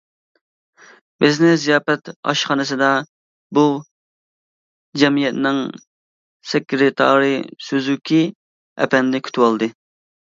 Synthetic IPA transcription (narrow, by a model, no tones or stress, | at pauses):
bɪznɪzijɑːpɛt̪ɑ̰ʃχɑnɨs̬ɨd̪ɑ | bu | d͡ʒɛmijɛt̪nɪŋ | sɛkʲʰːɪɾɪt̪ʰɑ̰ːɾɨsøzykʲʰi | ɛ̰pɛnd̪ɪkʲʰy̥t̪ʰɪwɑlˠd̪ɨ